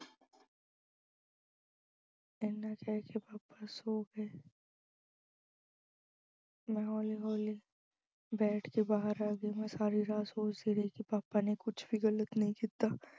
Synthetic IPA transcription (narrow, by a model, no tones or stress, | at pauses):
ɪnːakɛɦkepaːpasoːɡeː | mɛ̃ɦɔːliɦɔːli | bɛːʈʰkebaːɦəɾaːɡimɛ̃saːɾiɾaːsoːt͡ʃd̪iɾɐɦikipaːpanekʊt͡ʃʰbʱiɣɐlət̪nɐɦĩkit̪aː